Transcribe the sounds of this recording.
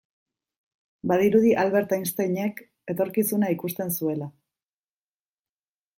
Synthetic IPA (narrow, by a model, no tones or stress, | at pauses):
baðiɾuð̞iʔalβe̞ɾt̪ainst̪eɲe̞k | e̞t̪o̞ɾkisunaikust̪e̞nsue̞la